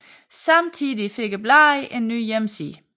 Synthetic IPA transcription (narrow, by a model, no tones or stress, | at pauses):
sɑ̈mt͡sʰiðˠife̝ɡ̥əb̥lɑ̈iʔe̝nːy̰ːjemsḭː